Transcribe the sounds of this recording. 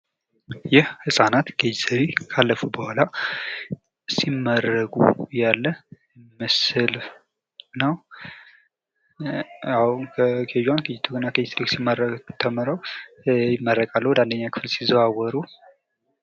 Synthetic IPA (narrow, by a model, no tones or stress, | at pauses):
jɛhhɨsʼanat̪ɡ̥ed͡ʒzəɾekʰalːəfubəhala | simːəɾəɡʼṵjalːə | məsɨl | nəw | awkʰəkʰeʒwankʰid͡ʒt̪ʰuɡɨnakʰəɪst̪ɾiksimːərəkt̪ʰəmɨɾəwjɪmːəɾːəkʼalːəhwd̪and̪əɲːakʰɨ̥fɨlsizəwawəɾu